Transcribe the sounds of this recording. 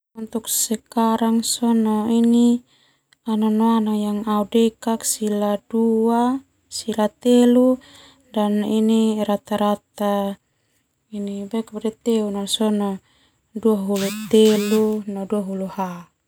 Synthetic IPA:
unt̪uk̚sɛkaɾaŋsɔnɔini | ananoanaŋjaŋaudɛkaksiladua | silat̪elu | daniniɾat̪aɾat̪a | inibɛkadɛt̪eunɔsɔnɔ | duaɦulut̪elunɔduaɦuluha

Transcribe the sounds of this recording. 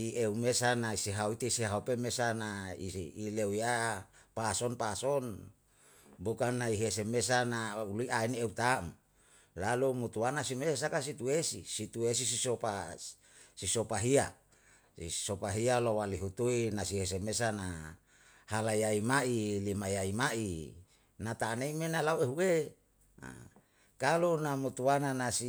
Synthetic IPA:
ieumesanaisiɦauit̪isiɦaupemesanaiːleujapasonpason | bukanːaiɦesemesanauliʔaineut̪am | lalumut̪uanasimess̬akasit̪uesisit̪ues̬isisopa | sisopaɦia | ḭsopaɦialowaliɦut̪uinasiɦes̬emesana | halaiaimailimajaimaʔi | nat̪aneimenalaoeɦuḛ | kalonamut̪uananasi

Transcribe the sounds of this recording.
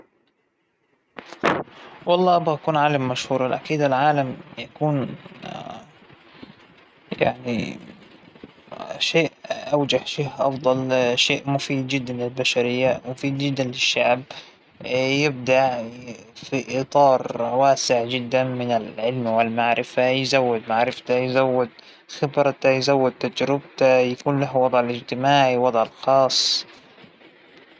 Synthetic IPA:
wɑlˤːɑːʔbaʔakuːnʕaːlamːaʃhuːɾˤɑlʔakiːd̪alʕaːlamjakuːn | ja̰ʕnḭ | ʃeːʔʔawd͡ʒahʃeːʔʔɑ̰fd̪ˤɑlʃeːʔmʊfiːd̪̚d͡ʒɪd̪ːanlɪlbaʃaɾɪjːamʊfiːd̪̚d͡ʒɪd̪ːanlɪʃːaʕb̚ | jɪb̚d̪aʕ | fiʔit̪ˤɑːɾˤwaːsɪʕd͡ʒɪd̪ːanmɪnɪlʕɪlmwɪlmaʕɾɪfajzawːɪd̪maʕɾɪft̪ajɪzawːʊd̪ | xɪbɾɑt̪ajzawːʊd̪̚t̪ːad͡ʒɾɪb̚t̪ajakuːnlaɦwɑd̪ˤʕɪlɪd͡ʒt̪ɪmaːʕiwɑd̪ˤʕɪlxɑːsˤ

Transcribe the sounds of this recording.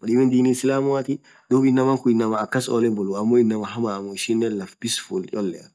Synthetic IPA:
wɐɗimɛnd̪iːnisɪlaːmʊwat̪i | d̪uːbɪnːɐmɐŋkʊɪnːɐmɐːkːɐsolɛbɔlʊɐmːoɪnːɐmɐɦɐmaːmɔɪʃɪnːɛlɐfb̥ɪsfult͡ʃʼɔlːɛɐ

